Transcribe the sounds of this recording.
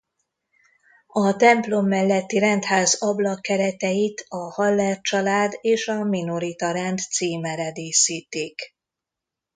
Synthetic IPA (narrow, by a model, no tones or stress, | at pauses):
ɒt̪ɛmplo̞mːɛlːɛt̪ːiɾɛnt̪haːzɒblɒkːɛɾɛt̪ɛjit̪ɒhɒlːɛrt͡ʃɒlaːd̪eːʃɒmino̞ɾit̪ɒɾɛnt̪t̪siːmɛɾɛd̪eːsiːt̪iːk